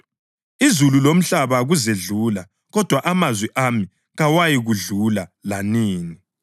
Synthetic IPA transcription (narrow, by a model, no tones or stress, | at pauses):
izululom̩ɬaβaɣuzeɮuːla | ɣɔd̥ʱwaʔamazwiʔami | ɣawajiɣuɮulalaniːni